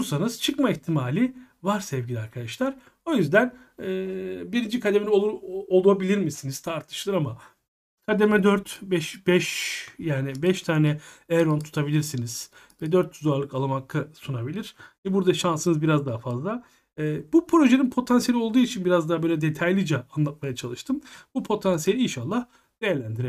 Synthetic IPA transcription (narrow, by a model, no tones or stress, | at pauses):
uɾsanɯz̥t͡ʃʰɯkmaiçt̪ʰimaːlʲivaɾsɛvɟilʲiaɾkʰad̪aʃlˠaɾ̥ | o̞jyzd̪æn | ɛːbiɾind͡ʒikʰad̪emeolˠabilʲiɾmisiniz̥t̪ʰaɾt̪ʰɯ̥ʃlˠɯɾama | kʰad̪emɛd̪øɾt̪bɛʃbɛʃjaːnibɛʃt̪ʰaːnɛɛɾont̪ʰu̥t̪ʰabilʲiɾsiniz̥ | vɛd̪øɾt̪̚ːuzaɾlˠɯkalˠɯmakʰːɯsunabilʲiɾ̥ɛbuɾd̪aʃansɯnɯzbiɾazd̪aɦafazlˠa | ɛːbupʰɾo̞ʒe̞ninpʰo̞t̪ʰansijelʲio̞lˠd̪uːit͡ʃʰinbiɾazd̪aabølʲɛd̪e̞t̪ʰajlʲid͡ʒɛanlˠat̪̚majat͡ʃʰalˠɯʃt̪ʰɯmbupʰo̞t̪ʰansijelʲiinʃalˠːah | d̪̥ejæɾlʲænd̪iɾɛ